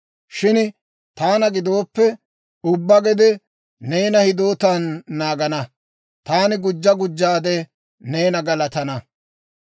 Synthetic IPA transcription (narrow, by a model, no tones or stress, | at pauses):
ʃɪn | t̪aːnɐɡɪd̪o̞ːpːɛ | ʊbːɐɡɛd̪ɛ | ne̞ːnɐhɪd̪o̞ːt̪anːaːɡɐnɐ | t̪aːnɪɡʊd͡ʒːɐɡʊd͡ʒːaːd̪ɛ | neːnɐɡɐlɐt̪ɐnɐ